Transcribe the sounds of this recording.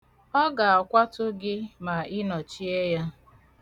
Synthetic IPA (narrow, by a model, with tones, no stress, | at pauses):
ɔ˦ɡa˨a˨kʷa˦tʊ˦ɡɪ˦ma˨ɪ˦nɔ˨t͡ʃi˦e˦ja˦